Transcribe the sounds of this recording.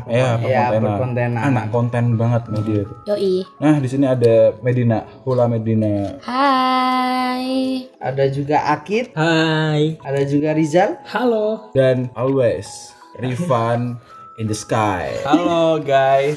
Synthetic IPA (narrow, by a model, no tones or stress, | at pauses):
jajaɛnakɔnt̪ɛnaana̰ʔkɔnt̪ɛnbaŋət̪̚mahdiat̪uoʔinahdisiniadamedinahulamedinaha | jʔa̰dad͡ʒuɡaʔakɪt̪̚hajadad͡ʒuɡaɾid͡ʒalhalodanʔɔlwes | rifan | ind̪əskajhaloɡajs